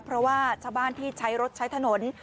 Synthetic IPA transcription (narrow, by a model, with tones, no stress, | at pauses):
pʰɾɔ˦˥waː˥˩t͡ɕʰaː˥˩wbaː˥˩nt̪ʰiː˥˩t͡ɕʰa˦˥jɾo˦˥t̪̚t͡ɕʰa˦˥jt̪ʰa˧no˩˦n